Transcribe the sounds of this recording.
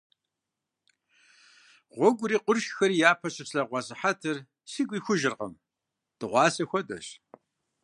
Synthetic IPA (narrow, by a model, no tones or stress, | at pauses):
ʁʷɔɡʷʊɾiːqʷʊrʃxɐɾijaːpʰɐɕɐpsɐʁʷɑsʼɨħatʰɨr | siɡʷiːxʷʊʒɪrqɐ̰m | d̥ɨʁʷɑːsɐxʷɔdɐ̰ɕ